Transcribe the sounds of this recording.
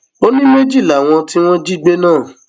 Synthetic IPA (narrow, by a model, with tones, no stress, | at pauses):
o˦nĩ˦me˦d͡ʒi˦˨la˨w̃ɔ̃˧ti˦w̃ɔ̃˦d͡ʒi˦ɡ͡be˦nãː˦˨